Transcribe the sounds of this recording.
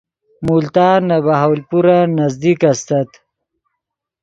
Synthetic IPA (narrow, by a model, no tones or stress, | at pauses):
mult̪aːnabaɦawlpuɾanazd̪ikast̪at̪